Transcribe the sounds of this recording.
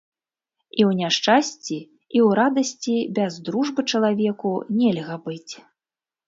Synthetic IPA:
iwnʲaʂt͡ʂasʲt͡sʲi | iwɾad̪ɐsʲt͡sʲibʲɛzd̪ɾuʐbɨt͡ʂɐlˠavʲɛkunʲɛlʲɣɐbɨt͡sʲ

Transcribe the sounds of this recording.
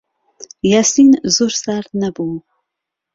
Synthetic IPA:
jasinzursaɾnɐbu

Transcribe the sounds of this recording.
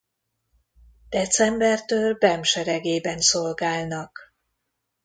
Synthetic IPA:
d̪̥ɛt̪sɛmbɛrt̪øːlbɛmʃɛɾɛɡeːbɛnso̞lɡaːlnɒk

